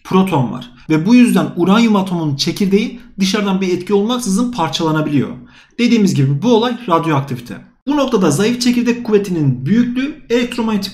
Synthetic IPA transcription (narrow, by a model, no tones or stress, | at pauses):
pʰɾo̞t̪ʰo̞nva̰ɾ̥ | vɛbujyzd̪ænuɾanjumat̪ʰo̞munt͡ʃʰe̞cʰiɾd̪e̞jind̪ɯʃaɾd̪anbiɛt̪cʰio̞lˠmaksɯzɯnpʰaɾt͡ʃʰalˠanabilʲijo̞̰ | d̪̥e̞d̪iːmizɟibibuo̞lˠajɾad̪jo̞ak̚t̪ʰivit̪ʰɛ̰ | b̥uno̞kt̪ʰad̪azajift͡ʃʰeciɾd̪ɛkʰːuve̞t̪ʰininbyjycʰʲlʲye̞lʲɛk̚t̪ʰɾo̞manet̪ʰik